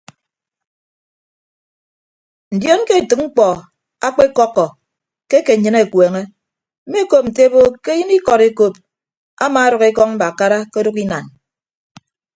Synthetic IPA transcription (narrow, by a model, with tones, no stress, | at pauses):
n̩˨djo˦n˦ke˦e˨tɨ˨k̚ŋ͡m̩˦k͡pɔ˨ | a˦k͡pe˦kɔ˦kːɔ˨ | ke˦ke˨ɲɨ˦ne˨kweː˨ŋe˦ | m̩˦me˦ko˦p̚n̩˨te˦bo˦ke˦ji˦ni˦kɔ˨ɾe˦ko˦p̚ | a˦ma˨a˦ɾɔ˨ke˦kɔ˦ŋm̩˦ba˨ka˦ɾa˦ko˦du˦ki˦na˨n